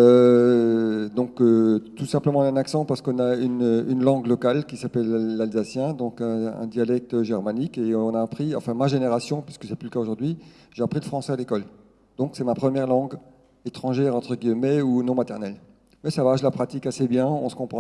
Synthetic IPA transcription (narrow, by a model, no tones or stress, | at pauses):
ø | d̪ɔ̃køt̪usɛ̃pləmɑ̃naɛ̃naksɑ̃paʁsə̥kɔ̃naynøynlɑ̃ɡlɔkalkʲisapɛllːalzasjɛ̃d̪ɔ̃kɛ̃ɛ̰̃d̪jalɛk̚t̪øʒɛʁmanikeɔ̃naːpχiɑ̃fɛ̃maʒeneʁasjɔ̃pɥiskəsɛplyləkaoʒuʁd̪ɥi | ʒ̥eapχiləfχɑ̃sɛalekɔl | d̪̥ɔ̃ksɛmapχəmjɛʁlɑ̃ɡ | et̪χɑ̃ʒɛʁɑ̃t̪χəɡimɛunɔ̃mat̪ɛʁnɛl | mɛsavaʒəlapχat̪ikasebjɛ̃ɔ̰̃sə̥kɔ̃pχɑ̃